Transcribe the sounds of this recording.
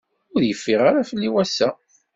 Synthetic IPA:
ʊɾjəfːiʁaɾafəlːiwæsːæ

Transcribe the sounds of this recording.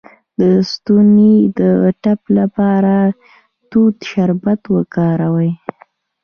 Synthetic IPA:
d̪̥əst̪uned̪əʈaplapɑɾa | t̪ud̪ʃaɾbat̪wəkɑɾawəj

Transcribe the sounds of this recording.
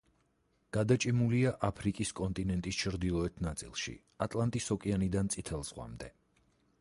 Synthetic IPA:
ɡ̥ad̪at͡ʃʼimuliaʔapʰɾikʼiskʼɔnt̪ʼinɛnt̪ʼist͡ʃʰɾd̪ilˠɔɛt̪ʰnat̪sʼḭlˠʃḭ | at̪ʼlˠant̪ʼisɔkʼianid̪ant̪sʼit̪ʰɛlˠz̥ʁwa̰md̪ɛ

